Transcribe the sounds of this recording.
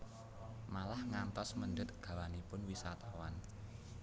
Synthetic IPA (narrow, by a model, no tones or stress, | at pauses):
malahŋant̪ɔsməndət̪̚ɡ̥a̤wanipʊnwisat̪awan